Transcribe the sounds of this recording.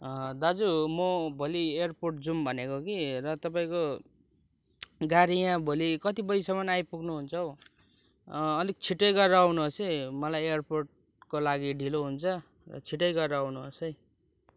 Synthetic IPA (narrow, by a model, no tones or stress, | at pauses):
d̪ad͡zumobʱolieʌrporʈ̚d͡zumbʱʌnekokiɾʌt̪ʌpaĩko | ɡaɾijãbʱolikʌt̪ibʌjsʌmʌnajpuɡnuɦunt͡sʰʌw | ʌlik̚t͡sʰiʈʌjɡʌrːʌawnuɦosʌjmʌlajejʌrporʈ̚ | kolaɡiɖʱiloɦunt͡sʰʌ | rʌ̰t͡sʰiʈʌjɡʌrʌawnuɦosʌj